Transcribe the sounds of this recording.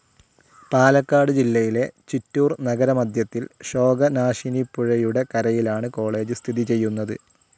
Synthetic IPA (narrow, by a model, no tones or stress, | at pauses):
paːlɐkːaːɽɨd͡ʑilːɐjile̞t͡ɕitːuːrnɐɡɐɾɐmɐd̪ʱjɐt̪ːilɕo̞ːɡɐnaːʂinipːuɻɐjuɽe̞kɐɾɐjilaːɳɨko̞ːɭe̞ːd͡ʑɨst̪ʰiðit͡ɕe̞jːunːɐðɨ